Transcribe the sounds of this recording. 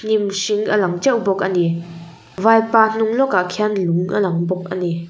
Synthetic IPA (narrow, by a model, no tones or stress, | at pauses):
n̥imsiŋʔəlaŋt͡ʃɛwbɔk̚ʔəni | vajpan̥uŋlɔkaʔkʰanluŋʔə̰lɐŋbɔk̚ʔəni